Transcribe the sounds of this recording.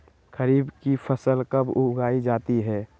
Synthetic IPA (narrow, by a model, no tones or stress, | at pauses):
kəɾiːbkipʰəsəlkəbʊɡaːid͡ʒaːt̪iɦɛː